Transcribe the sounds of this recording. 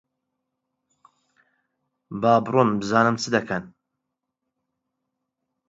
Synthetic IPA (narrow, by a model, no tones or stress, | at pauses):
baːbɨɾunbɨzaːnɨmt͡sʰɨd̪ɐkʰɐn